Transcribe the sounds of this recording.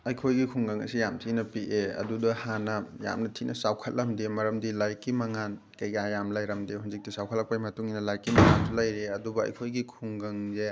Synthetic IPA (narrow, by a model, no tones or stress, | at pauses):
ɐjkʰojɡikʰuŋɡɐŋɐ̰sijamtʰinɐpiʔeɐ̰dudɐhanɐja̰mnɐtʰinʔɐsawkʰɐt̚lɐmdemɐɾɐmdilajkimɐŋan | kɐjɡiajamlajɾɐmdehunzik̚tisawkʰɐtlɐk̚pajmɐtuŋinɐlajkimɐŋantulajɾeɐdubɐɐ̰jkʰojɡikʰuŋɡɐŋze